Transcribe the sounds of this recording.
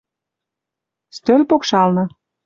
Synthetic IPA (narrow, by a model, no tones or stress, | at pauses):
st̪ølʲpokʃɑlnɤ̆